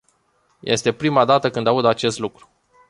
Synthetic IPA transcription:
jʔe̞̰st̪e̞pɾimad̪at̪əkɨnd̪aud̪at͡ʃe̞st̪lukɾu̥

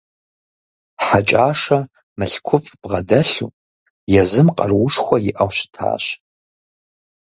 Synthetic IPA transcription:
ħat͡ʃʼaːʂɐ | mɨɬkʷʰʊfʼb̥ʁɐdɐɬṵː | jɛzɨmqʼɐ̰rwʊʂxʷɔjɪʔɐwɕɪ̥tʰa̰ːɕ

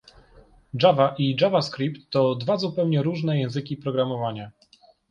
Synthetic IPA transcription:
d͡ʐavaʔiʐavaskɾʲipt̪ːɔd̪vazupɛwɲɛɾuʐnɛjɛ̃w̃zɘkʲipɾɔɡɾamɔvaɲa

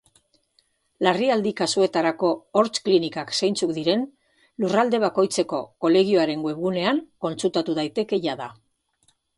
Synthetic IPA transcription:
lariald̪ikasue̞t̪aɾako̞ːɾt͡ʃklinikaksejnt͡sukd̪iɾe̞n | lurald̪e̞β̞ako̞jt͡se̞ko̞ko̞le̞ɣ̞io̞aɾe̞ŋɡoweβɣune̞aŋko̞nt͡sult̪at̪uðajt̪e̞ke̞ʝaða

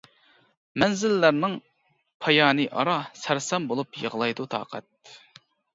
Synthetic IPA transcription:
mɛnzɪlːæɾnɪŋ | pʰɑjɑːnɨʔɑ̰ɾɑsæɾsɛmbolˠupjə̰ʁlˠɑjd̪ut̪ʰɑ̰ːqʰɛ̰t̪̚

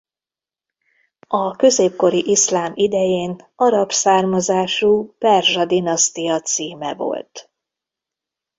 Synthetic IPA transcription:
ɒkø̞zeːp̚ko̞ɾiʔiʃlaːmid̪ɛjeːn | ɒɾɒpsaːrmɒzaːʃuːpɛrʒɒd̪inɒst̪ijɒt̪siːmɛ̰vo̞̰lt̪

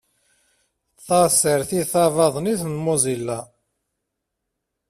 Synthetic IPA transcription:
θɑsəɾθiðθɑvɑðˤniθnmozilːa

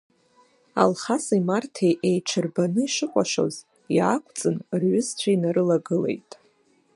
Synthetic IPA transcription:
a̰lχasimartʰejʔejʈ͡ʂʰɨrbanɨiʃɨqʷʼaʃo̞̰z | jakʷʰʼt͡sʼɨnrɥʏzt͡ɕʷʰainaɾɨlaɡɨle̞̰jtʼ

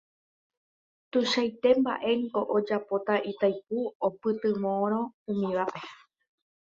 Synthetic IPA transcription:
t̪uʃajt̪e̞mba̰ʔe̞ŋko̞ʔod͡ʒapot̪aʔit̪ajp̚uopɨt̪ɨmõɾ̃õ̞ũmĩʋaʔe̞

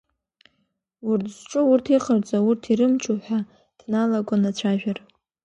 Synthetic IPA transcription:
urtʰzʈ͡ʂʼʊurtʰiχərt͡sʼaʊrtʰiɾɨmt͡ʃʼuħʷᶣa | d̥nalakʷʼanat͡ɕʷʰaʒᶣar

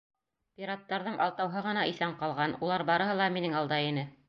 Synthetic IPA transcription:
pʲiɾat̪ːɑɾðɤɴʔɑ̰lˠt̪ɑwɦɤʁɤ̆nɑiθæɴqɑlˠʁɑnulˠɑɾbɑɾɤ̆ɦɤlˠɑminɘŋɑlˠd̪ɑjinɘ

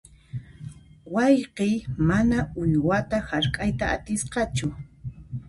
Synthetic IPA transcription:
wɑjqɪjmanaʊʎwat̪ahaɾkʼajt̪aa̰t̪ɪsqɑt͡ʃʊ

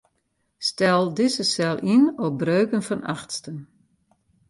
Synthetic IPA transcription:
stɛlˠdɪsəsɛlˠʔinɔbrøːkənfɔna̰xtstən

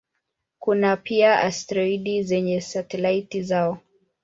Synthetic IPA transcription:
kunapʰiaʔa̰stɾɔiɗizɛɲɛsatɛlaitizaɔ

